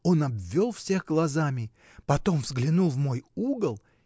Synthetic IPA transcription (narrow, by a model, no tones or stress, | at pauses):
o̞nɐbvʲːo̞lˠfsʲe̞xɡlˠɐzamʲɪ | pɐt̪o̞mvzɡlʲɪnulˠvmo̞juɡəlˠ